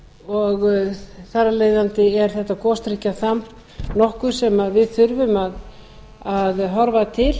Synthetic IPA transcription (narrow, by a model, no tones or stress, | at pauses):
ɔɣθarːaleːjðant̪ɪɛɾ̥θɛht̪akɔst̪ɾihcaθam | nɔhkʏ̥sɛmaðvɪðθʏɾvʏmað | aðɦɔɾvat̪ʰɪl